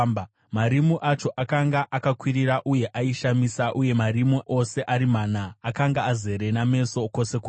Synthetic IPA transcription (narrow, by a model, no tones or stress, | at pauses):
maɾimuʔat͡ʃo̞ʔakaŋɡaʔakakwiɾiɾaʔuje̞ʔaiʃamisaʔuje̞marimuʔo̞se̞ʔaɾimaːnaːkaŋɡaːze̞ɾe̞name̞so̞ko̞se̞ko